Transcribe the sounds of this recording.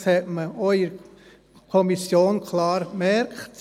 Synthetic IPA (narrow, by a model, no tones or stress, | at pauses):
shɛtməoiɾ | kʰɔmisjoːnkʰlɑːɾmɛɾkχt